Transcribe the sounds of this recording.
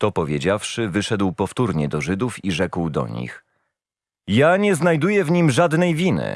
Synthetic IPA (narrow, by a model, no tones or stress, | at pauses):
t̪ɔpɔvʲjed͡ʑafʂɘvɘʂɛd̪wpɔft̪uɾɲɛd̪ɔʐɘd̪ufiʐɛkwd̪ɔ̰ɲḭx | jaɲɛznajd̪ujɛvɲimʐad̪nɛjvʲinɘ̰